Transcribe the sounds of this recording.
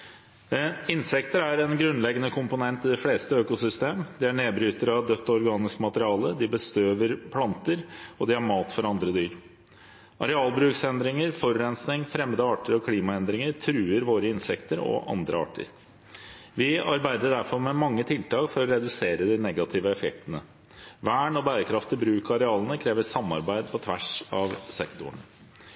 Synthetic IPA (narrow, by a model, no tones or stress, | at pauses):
ɪnsɛkt̪əɾæɾɛnɡɾʉnlɛɡənəkʰʊmpʊnɛnt̪ɪd̪ɪfleːst̪əøːkʊsʏst̪eːmd̪ɪæɳeːbɾyːt̪əɾɑʋd̪œt̪ːɔɾɡɑːnɪskmɑt̪əɾɪɑːləd̪ɪbəst̪øːʋəɾpʰlɑnt̪əɾɔd̪ɪæɾmɑːt̪fɔɾɑnd̪ɾəd̪yːɾ | ʔɑɾɛɑːlbɾʉːksɛnd̪ɾɪŋəɾfɔɾːɛnsnɪŋfɾɛmːəd̪əɑːʈəɾɔkʰliːmɑɛnd̪ɾɪŋəɾt̪ʰɾʉːəɾʋoːɾəɪnsɛkt̪əɾɔ̰ʔɑ̰nd̪ɾʔə̰ɑ̰ːʈə̰ɾ | ʋɪɑɾbæɪd̪əɖæɾfɔɾmɛmɑŋːət̪ʰɪlt̪ʰɑːkfɔɾɔɾɛd̪ʉseːɾəd̪ɪnɛɡɑt̪ʰɪʋəɛfɛkt̪ənə̰ | ʋæːɳɔbæːɾəkʰɾɑft̪ɪlbɾʉːkɑɾɛɑːlənəkʰɾeːʋəsɑmːɑ̰ɾbæɪd̪̚pʰɔt̪ʰʋæʂɑʋsɛkt̪ʊɳə